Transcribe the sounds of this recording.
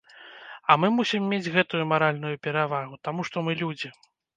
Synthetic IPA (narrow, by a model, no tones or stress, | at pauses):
ɐmɨmusʲimːʲed͡zʲɣɛt̪ujumaɾalʲnujupʲɛɾavaɣut̪amuʂt̪ɔmɨlʲud͡zʲi